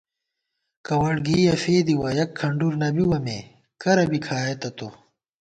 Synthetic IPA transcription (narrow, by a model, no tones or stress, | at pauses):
kɐwɐɽɡiːjɐfeːd̪iwɐjɐkʰːɐɳɖuɾnɐbiwɐme | kɐɾɐbikʰaːet̪ɐt̪o